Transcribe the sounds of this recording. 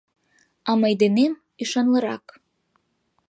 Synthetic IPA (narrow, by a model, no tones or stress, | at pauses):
ɑmɑjd̪enem | iʃɑnlɤɾɑ̰k